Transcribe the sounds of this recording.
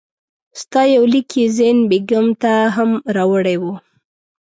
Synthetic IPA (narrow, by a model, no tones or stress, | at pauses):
st̪ɑjawlikʰizenbeɡamt̪aɦamɾɑwəɽewu